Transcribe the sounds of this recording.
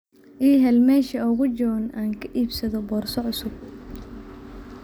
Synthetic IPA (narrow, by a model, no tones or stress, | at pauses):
ʔiːɦɛlmɛːʃɐɔɣʊd͡ʒɔːnʔaːŋkʰɐʔiːbsɐðɔbɔːrsɔʕʊsʊb̚